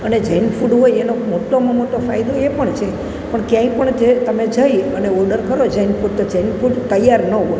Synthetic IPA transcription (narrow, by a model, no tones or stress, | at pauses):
əned͡ʒəjnfuɖɦojenomoʈomãmoʈ̪ofajd̪oepəɳt͡ʃʰe | pəɳkjãĩkpəɳd͡ʒet̪əmed͡ʒəjəneɔɾɖəɾkəɾod͡ʒəjnfuɖ̚t̪od͡ʒəjnfuɖt̪əjaɾnəɦoj